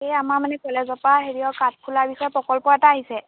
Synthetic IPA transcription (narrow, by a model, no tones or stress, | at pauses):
ejamamanɛkɔlɛzɔpaɦeɹiɔkat̚kʰulaɹbisɔɛpɔkɔlpɔɛtaːɦisɛ